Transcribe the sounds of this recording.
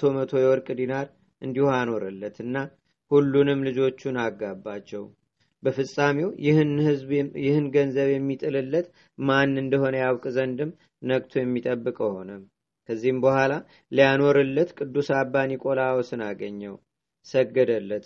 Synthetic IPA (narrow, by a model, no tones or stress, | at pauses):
t̪ʰo̞mət̪ʰo̞jɛwɔɾkʼɨd̪inaɾ | ʔɨnd̪ihoano̞ɾɨlːət̪ʰɨnːa | hulːunɨmlɨd͡ʒo̞t͡ʃːunaɡːabːat͡ʃːɛw | bəfɨsʼamiw | jɪhɨnɡənzəβjɛmːit̪ʼɨlɨlːət̪ | manːɨnd̪əho̞nəjawkʼzənd̪ɨm | nəɡt̪ʰujɛmːit̪ʼəbːɨkʼho̞nəm | kʰəzːihɨmbəhʷala | lijano̞ɾɨlːət̪kʼɨd̪ːusabːanikʼo̞lawsɨnaɡəɲːɛw | səɡːəd̪əlːət̪